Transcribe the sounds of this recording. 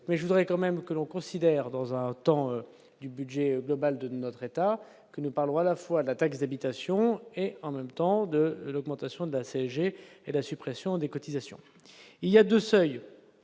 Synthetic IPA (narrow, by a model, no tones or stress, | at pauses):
mɛʒəvud̪ʁɛkɑ̃mɛmkəlɔ̃kɔ̃sid̪ɛʁd̪ɑ̃zɛ̃t̪ɑ̃ø | d̪ybyd̪ʒɛɡlɔbald̪ənɔt̪χet̪a | kənupaʁlɔ̃alafwad̪əlat̪aksd̪abit̪asjɔ̃eɑ̃mɛmt̪ɑ̃d̪əlɔɡmɑ̃t̪asjɔ̃d̪əlaseɛʒeed̪əlasypχesjɔ̃d̪ekɔt̪izasjɔ̰̃ | iliad̪øsœj